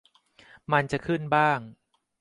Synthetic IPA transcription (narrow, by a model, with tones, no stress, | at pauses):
ma˧nt͡ɕa˨˩kʰɯ˥˩nbaː˥˩ŋ